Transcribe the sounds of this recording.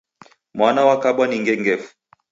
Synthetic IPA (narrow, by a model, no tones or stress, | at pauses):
mwanawakaɓwaniŋɡɛŋɡɛfu̥